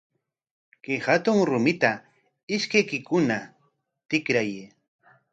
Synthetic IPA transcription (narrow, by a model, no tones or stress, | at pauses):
kehat̪ʊŋɾʊmɪt̪a | ɪʃkajkɪkʊna | t̪ɪkɾaje